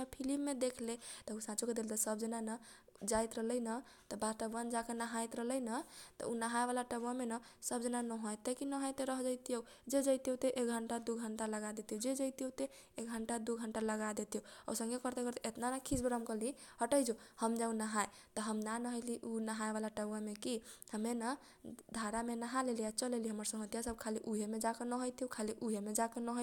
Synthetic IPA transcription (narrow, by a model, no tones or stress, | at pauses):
epʰilimːed̪ekʰlet̪ɔusãt͡ʃuked̪elt̪ɔsəb̚d͡ʒənanə | d͡ʒajt̪ɾəɦləjnə | t̪ɔbaʈəbwand͡ʒakenəɦajt̪ɾələnət̪ɔ̰unəɦajbalaʈəbwamenəsəb̚d͡ʒənanəɦojt̪əkinəɦəjt̪eɾəɦd͡ʒajt̪ijo | d͡ʒed͡ʒajt̪iowt̪eʔek̚ɡʱəɳʈad̪uɡʱəɳʈaləɡad̪et̪iod͡ʒed͡ʒəjt̪ijot̪e | ek̚ɡʱəɳʈad̪uɡʱəɳʈaləɡad̪et̪ijoɔ̰sə̃ŋɡekəɾt̪ekəɾt̪eʔet̪nanakʰisbɾamkəliɦəʈəjd͡ʒohəmd͡ʒaũnəɦae | t̪ɔɦəmnanəɦəliʔunəɦaebalaʈəbwamekihəmenə | d̪ʱaɾamenəɦaleliat͡ʃəleliɦəməɾsə̃ŋɡət̪ijasəb̚kʰaliʔuɦemed͡ʒakenəɦojt̪iɦokʰaliʔuɦemed͡ʒakenəɦo